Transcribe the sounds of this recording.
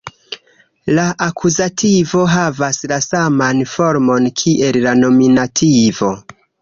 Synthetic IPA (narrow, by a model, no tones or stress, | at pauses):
laʔakʰuzatʰivo̞ɦavaslasamanfo̞ɾmo̞nkʰiʔe̞lːano̞minatʰivo̞